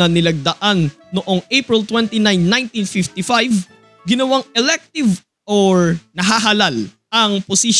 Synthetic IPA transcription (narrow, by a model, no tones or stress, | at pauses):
ɐnɪlɐɡ̚d̪ɐʔanː | oʔo̞ŋʔejpɹɪlt̪wɛnt̪inajnːãj̃nt̪infɪft̪ɪfajv | ɡɪnɐwaŋʔɛlɛk̚t̪ɪv | ʔoɹnɐɦaɦalal | ʔɐŋposiʃ